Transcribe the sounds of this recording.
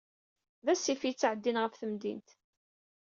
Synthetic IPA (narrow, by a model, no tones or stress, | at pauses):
ðæsːifit͡sːʕəd̪ːinʁəfθəmd̪ḭnt̪